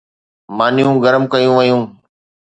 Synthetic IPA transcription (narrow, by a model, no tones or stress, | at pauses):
maːnɪjũːɡəɾəmkəjũːʋəjũː